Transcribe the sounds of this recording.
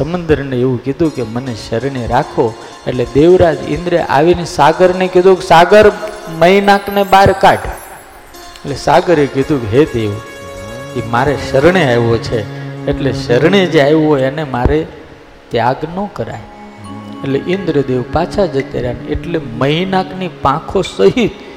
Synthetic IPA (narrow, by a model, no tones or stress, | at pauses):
səmənd̪əɾneeʋũkid̪ʱũkeməneʃəɾɳ̃eɾakʰo | eʈled̪eʋɾad͡ʒḭ̃nd̪ɾeʔa̰ʋinesaɡəɾnekid̪ʱũksaɡəɾməɦinaknebaɾkaɖ | eʈlesaɡəɾekid̪ʱũkɦed̪eʋ | kemaɾeʃəɾɳ̃eajʋot͡ʃʰeːʈleʃəɾɳed͡ʒajɦojenemaɾe | t̪jaɡnəkəɾa̰j | eʈleʔind̪ɾəd̪eʋpat͡ʃʰad͡ʒət̪ḛɾjaneʈleməɦinaknipãkʰosəɦit̪